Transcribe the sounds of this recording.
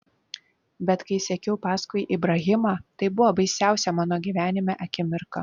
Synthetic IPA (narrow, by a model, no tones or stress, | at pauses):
bʲɛt̪kɐɪsʲɛkʲɛʊpɑːskʊɪjʔibɾɐɣʲɪmɑːt̪ɐɪbʊʋobɐɪsʲæˑʊsʲɛmɑːnoːɡʲiːʋʲæːnʲɪmʲæʔɐkʲɪmʲɪɾkɐ